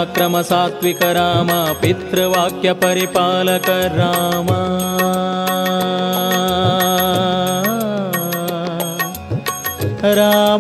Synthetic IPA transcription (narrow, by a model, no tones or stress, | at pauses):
kɾɐmɐsaːt̪ʋikɐɾaːmapit̪ɾɐʋaːkjɐpɐɾipaːlɐkɐɾaːmɐ | ɾaː